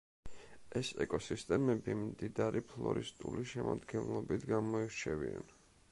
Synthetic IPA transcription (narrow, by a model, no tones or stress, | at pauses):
ɛsɛkʼɔsist̪ʼɛmɛbimd̪id̪aɾipʰlˠɔɾist̪ʼuliʃɛma̰d̪ɡɛnlˠɔbit̪ʰɡamɔiɾt͡ʃʰɛvia̰n